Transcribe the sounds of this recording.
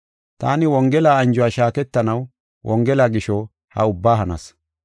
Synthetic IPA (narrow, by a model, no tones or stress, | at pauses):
t̪a̰ːnɪwɔŋɡɛlaːɐnd͡ʒʊwaːʃaːkɛt̪ːɐnɐw | wʔɔŋɡɛlaːɡɪʃɔ | hɐ̰ʊbːaːɦɐnɐ̰s